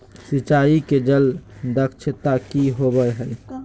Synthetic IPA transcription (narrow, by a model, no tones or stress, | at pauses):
sit͡ʃaiked͡ʒəld̪əkt͡ʃʰət̪akiɦobəɦəj